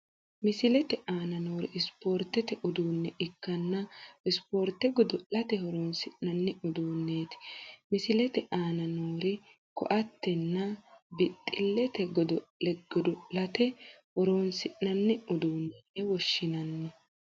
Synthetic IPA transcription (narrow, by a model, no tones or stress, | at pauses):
mɪsɪlɛt̪ɛʔaːnɐnoːɾɪ̰ɪspoːɾt̪ɛt̪ɛʔʊd̪uːnːɛʔɪkːɐnːɐɪspoːɾt̪ːɛɡɔd̪ɔʔɐt̪ɛhɔɾoːnsɪʔnɐnːɪʊd̪uːnːeːt̪ɪ̥mɪsɪlɛt̪ɛʔaːnɐnoːɾɪ | kɔ̰ʔɐt̪ːɛnːɐbɪt̪ʼːɪlːɛt̪ɛɡɔd̪ɔlɛɡɔd̪ɔlɐt̪ɛhɔɾoːnsɪʔnɐnːɛʊd̪uːnːɛnːɛwɔʃːɪnɐnː